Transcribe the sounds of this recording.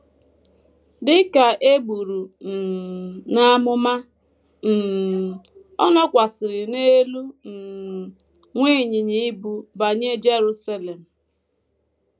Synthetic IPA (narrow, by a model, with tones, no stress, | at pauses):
dɪ˦ka˨ʔe˦ɡ͡bu˨ɾu˨ | na˦mʊ˦ma˦ | n̩˨ | ɔ̰˦nɔ˦kʷa˨sɪ˨ɾɪ˨ne˦lu˦n̩˨ | ŋʷe˦˨ɲɪ˨ɲi˦bu˨ba˨ɲe˦d͡ʒe˦ɾu˦sa˦le˨m̩˨